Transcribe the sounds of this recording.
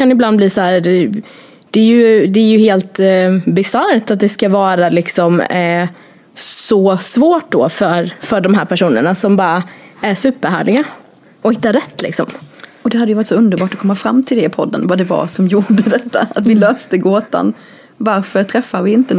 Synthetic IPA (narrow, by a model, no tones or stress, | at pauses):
kanɪbland̪bliːsɔhæːɾd̪ɛ | d̪̥ɛːjɵd̪ɛæjɵheːlt̪bɪsaɾt̪at̪̚d̪ɛskavɑːɾalɪksɔm | sɔsvoːʈ̚d̪ɔ̰fœɾfœɖɔmɦæːɾpʰæʂuːnə̰ɳasɔmbɑːɾaæɾʂʉ̟ːpːəɾɦæ̰ːɭɪɡa | ɔhɪt̪ːaɾɛt̪ːlɪ̰ksɔmɔd̪ɛhad̪əjəvɑɾɪt̪sɔɵnd̪əɾbɑːʈɔkʰɔmːafɾamːt̪ʰɪld̪ɛɪpʰɔd̪ːə̰nvad̪ɛva̰ɾsɔmjuːɖəd̪ɛt̪ːa̰at̪vɪløːst̪əɡoːt̪a̰n | vaɾfœɾt̪ʰɾɛfːavɪɪnt̪ən